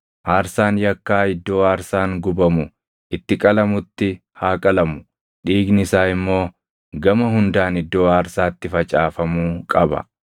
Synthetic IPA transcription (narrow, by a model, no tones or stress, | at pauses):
ʔaːɾsaːnjɐkːaːɪd̪ːo̞ːaːɾsaːŋɡʊbɐmʊ | ʔɪt̪ːɪkʼɐlɐmʊt̪ːɪ | haːkʼɐlɐmʊ̥ | ᶑiːɡnɪsaːɪmːo̞ː | ɡɐmɐɦʊnd̪aːnɪd̪ːo̞ːaːɾsaːt̪ːɪfɐt͡ʃʼaːfɐmuːkʼɐbɐ̰